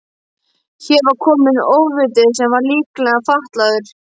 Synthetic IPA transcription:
çɛɾvaɾkʰɔːmɪnoːwvɪt̪ɪsɛmvaɾliːklɛɣafaht̪laðʏɾ̥

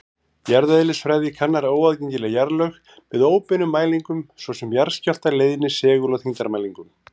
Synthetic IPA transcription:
jaɾðaðɪlɪsfɾajðɪkʰanːaɾoːwaðceɲc̪ɪlajaɾlœx | vɪðoːwpɪnʏmːaːjliŋkʏmsvɔsɛmjaɾ̥scal̥t̪aɾleːjðnɪsɛːɣʏlɔθiŋt̪aɾmaːjliŋkʏm

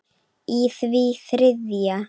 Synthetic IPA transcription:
iθviθɾɪðja

